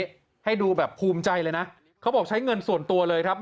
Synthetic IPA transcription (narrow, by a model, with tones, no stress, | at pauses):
ha˥˩jduː˧bɛː˨˩pʰuː˧mt͡ɕa˧jlɤː˧jna˦˥ʔ | kʰa˦˥wbɔː˨˩k̚t͡ɕʰa˦˥jŋɤ˧nsu˨˩ənt̪u˧ɐlɤː˧jkʰɾp̚